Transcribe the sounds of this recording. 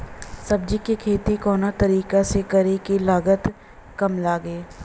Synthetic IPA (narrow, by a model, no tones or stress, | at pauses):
sɐbd͡ʒikikʰeːt̪ikɔːnat̪ɐɾiːkasekɐɾekilaːɡət̪ | kɐmlaːɡeː